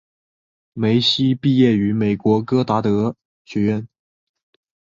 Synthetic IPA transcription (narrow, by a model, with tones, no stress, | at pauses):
me˧˥ɪɕi˥pi˥˧jɛ˥˩y˧˥me˨˩ɪkwɔ˧˥kɤ˥t̪a˧˥t̪ɤ˧˥ | ɕɥɛ˧˥ɥɛ˥˩n